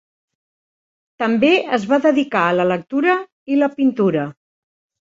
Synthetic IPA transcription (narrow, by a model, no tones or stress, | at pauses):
t̪əmbeəzβaðəðikaələlək̚t̪uɾə | iləpint̪uɾə